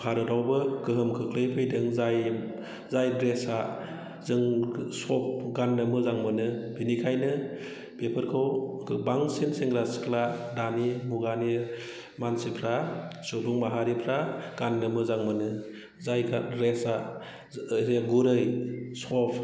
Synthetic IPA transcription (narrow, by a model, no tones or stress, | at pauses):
pʰaɾɯdawbɯɡɯɦɯmkʰɯkʰlɯjpʰɯjdɯŋzaj | zajdɾesa | zɯŋsɔp̚ʰɡanːɯmɯzaŋmɯnɯb̥inikʰajnɯ | pepʰɯɾkʰɯwkɯbaŋsenseŋɡɾaskladanimuɡani | mansipʰɾasubuŋmaɦaɾipʰɾaɡ̥anːɯmɯzaŋmɯnɯ | zajɡaɾesa | zeɡuɾɯjsɔp̚ʰ